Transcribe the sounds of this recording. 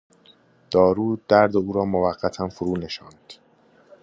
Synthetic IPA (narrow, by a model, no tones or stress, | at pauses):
d̪̥ɒːɾuːd̪æɾd̪euːɾɒːmovæɢːæt̪ʰænfoɾuːne̞ʃɒːnd̪̥